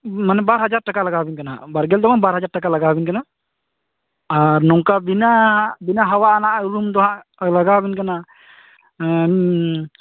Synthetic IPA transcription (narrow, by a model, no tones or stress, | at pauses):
manɛbaɾɦad͡ʒaɾʈakalaɡabinkana̰baɾɡɛld̪ɔmanbaɾɦad͡ʒaɾʈakalaɡabinkana | aɾnɔŋkabinabinaɦawaʔanaʔuɾumd̪ɔɦãʔ | laɡabɛnkana